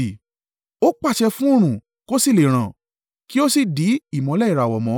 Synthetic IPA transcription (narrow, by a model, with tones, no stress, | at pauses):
o˦k͡pa˦˨ʃɛ˧fũ˦o˦˨ɾ̃ũ˨ | ko˦si˦˨le˨ɾ̃ã˨ | ki˦o˦si˦˨di˨˦i˦˨mɔ̃˨˧˦lɛ˦i˨ɾa˨wɔ˨mɔ̃˨˦